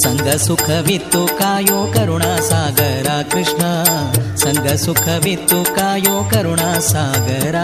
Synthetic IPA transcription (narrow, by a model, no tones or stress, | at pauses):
sɐŋɡʱɐsukʰɐʋit̪ːukaːjoːkɐɾuɳaːsaːɡɐɾaːkɾɪʂɳɐsɐŋɡʱɐsukʰɐʋit̪ːukaːjoːkɐɾuɳaːsaːɡɐɾaː